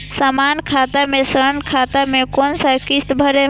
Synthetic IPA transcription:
samankʰat̪amesəɾənkʰat̪amekonsəkist̪bʱəɾe

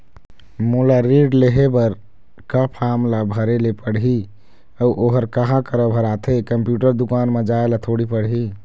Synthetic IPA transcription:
molaɾeɖleɦebəɾ | kapʰamlabʱəɾelepəɽɦi | əuʔoɦəɾkaɦãkəɾəbʱəɾat̪ʰekəmpjuʈəɾd̪ukaːnmed͡ʒaelat̪ʰoɽipəɽɦi

